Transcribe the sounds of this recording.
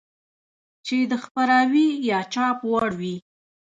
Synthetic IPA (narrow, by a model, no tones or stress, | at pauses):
t͡ʃed̪əxpaɾawijɑt͡ʃɑpwaɽwi